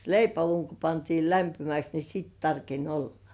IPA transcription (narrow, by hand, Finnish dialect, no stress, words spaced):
leipæuːŋ ko pɑntiːl læmpimæks ni siːt tɑrkenʲ olːɑ̥